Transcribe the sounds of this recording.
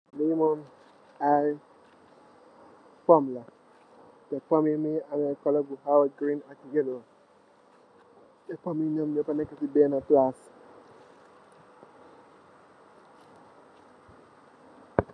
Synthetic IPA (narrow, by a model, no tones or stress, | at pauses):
lemɔn | aj | pɔmla | tɛpamimeanɛkɔlɔɡuhawɡɾĩnakiɡelo | tɛpaminɔmnɔpanɛkasibɛnaplas